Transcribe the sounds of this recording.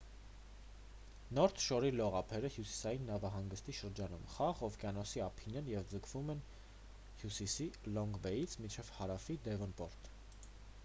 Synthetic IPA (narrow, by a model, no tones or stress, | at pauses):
nɔɾt̪ʰʃɔɾilɔʁɑpʰɛɾəhjusi̥sɑjinːɑvɑɦɑŋɡəst̪iʃəɾd͡ʒɑnṵmχɑʁɔvkjɑnɔsiɑpʰinɛnjɛvd͡zəkʰv̥umɛn | hjusisilɔŋɡbɛjit͡sʰmint͡ʃʰɛv̥hɑɾɑfid̪ɛvɔnpɔɾt̪